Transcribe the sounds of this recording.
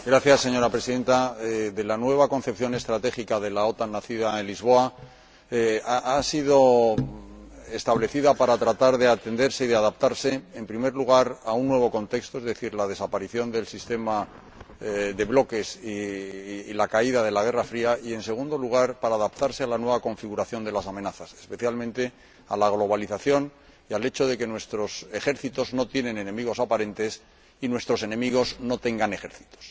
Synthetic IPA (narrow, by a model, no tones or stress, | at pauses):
ɡɾaθjasːe̞ɲo̞ɾapɾesiðe̞nt̪aðe̞lanwe̞β̞ako̞n̟θe̞pθjo̞ne̞st̪ɾat̪e̞ikaðe̞lao̞t̪anːaθiðaenlizβ̞o̞a | aasiðo̞ | est̪aβle̞θiðapaɾat̪ɾat̪aɾðe̞at̪e̞nd̪e̞ɾse̞iðeaðap̚t̪aɾse̞empɾime̞ɾluɣ̞aɾaunːwe̞β̞o̞ko̞nt̪e̞kst̪oezðe̞θiɾlað̞e̞sapaɾiθjo̞nd̪e̞lsist̪e̞ma | ðe̞βlo̞ke̞siː | lakaiðaðe̞laɣ̞e̞rafɾiaie̞nse̞ɣũnd̪o̞luɣ̞aɾpaɾaːðap̚t̪aɾsealanwe̞βako̞ɱfiɣ̞uɾaθjo̞nd̪elasamenaθasespe̞θjalmẽnt̪e̞ | alaɣ̞lo̞β̞aliθaθjo̞n | iale̞t͡ʃoðe̞ke̞nwe̞st̪ɾo̞se̞xe̞ɾθit̪o̞zno̞t̪jenẽ̞nenẽ̞miɣ̞o̞sapaɾẽ̞nt̪e̞s | inwe̞st̪ɾo̞se̞nẽ̞miɣ̞o̞zno̞t̪e̞ŋɡane̞xe̞ɾθi̥t̪o̥s